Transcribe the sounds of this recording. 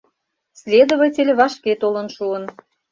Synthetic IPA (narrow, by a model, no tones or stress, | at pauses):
sʲlʲed̪oβətʲelʲβɑʃket̪olə̆nʃuən